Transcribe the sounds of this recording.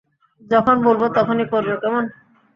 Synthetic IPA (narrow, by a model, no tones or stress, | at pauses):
d͡ʑɔkʰonbolbot̪ɔkʰonikoɾbekɛmon